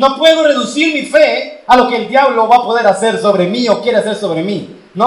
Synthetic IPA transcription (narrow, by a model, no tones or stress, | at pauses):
no̞pwe̞ðo̞re̞ðusiɾmife̞alo̞ke̞ːld̪jaβlo̞βapo̞ðe̞ɾase̞ɾso̞βɾe̞mio̞kje̞ɾeas̬e̞ɾso̞βɾe̞mi | no